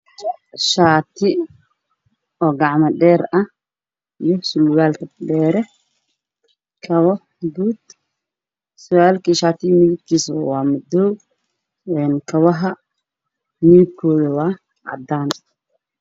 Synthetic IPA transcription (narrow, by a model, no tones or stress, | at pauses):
ʃaːt̪ʰɪ | ɔːɡɑʕmɐɖɛːɾɐh | ijɔsʊlɣaːlkʰɐɖɛːɾɛ | kʰɐβɔ | ɡuːd̪̥ | sʊaːlkʰiʃaːt̪ʰɪmɪɣɪb̚kʰiːswɑːmʊd̪ɔ | ɛːnkʰɐβɐɦɐ | mɪɣɪb̚kʰɔːðɐwɑː | ʕɑ̰d̪aːn